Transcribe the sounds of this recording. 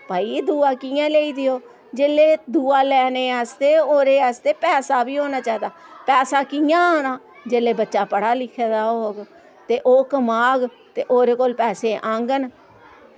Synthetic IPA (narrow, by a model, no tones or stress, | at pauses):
paːiːd̪uːaːkiːjãːleːiːd̪ɪjoː | d͡ʒeːleːd̪uːaːlɛːneːəst̪eːoːɾeːəst̪eːpɛːsaːbiːɦoːnaːt͡ʃaːid̪aːpɛːsaːkijãːoːnaː | d͡ʒeːleːbətːʃaːpəɽaːlɪkʰeːd̪aːɦoːɡ | t̪eːʔoːkəmaːɡ | t̪eːʔoːɾeːkoːlpɛːseːʔãːŋɡən